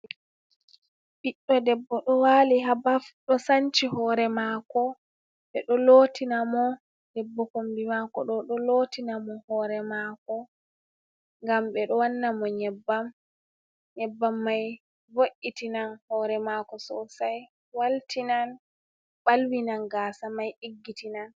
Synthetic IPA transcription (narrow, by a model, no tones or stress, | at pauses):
ɓiɗːɔdɛbːɔɗɔwaliɦabafɗɔsant͡ʃihɔɾɛmaːkɔ | ɓɛɗɔloːtʰinamɔ | dɛbːɔkombimakɔ̰ɗɔɗɔlotinamɔhɔːɾɛmakɔ | ŋɡamɓɛɗɔwanːamɔɲɛbːam | ɲɛbːamːaj | voʔitinanhɔːɾɛmakɔsɔsaj | waltinan | ɓalwinanɡaːsamajʔiɡːitinan